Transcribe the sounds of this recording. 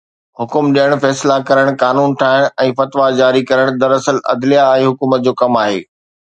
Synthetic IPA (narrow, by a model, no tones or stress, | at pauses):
hʊkʊmɗijəɽ̃fɛːslakɐɾəɽ̃kaːnuːnʈ̪ʰaːɦɪɽ̃ɛ̃ːfɐt̪ʋad͡ʑaːɾikɐɾəɽ̃d̪ɐɾɐsəlɐ̰d̪lijaːɦeɦʊkuːmət̪̚d͡ʑoːkɐmaːɦḛː